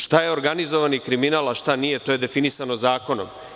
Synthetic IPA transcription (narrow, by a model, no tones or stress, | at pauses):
ʃt̪aje̞o̞ɾɡanizo̞ʋanikɾiminalaʃt̪anije̞t̪oje̞d̪e̞finisanozaːko̞no̞̰m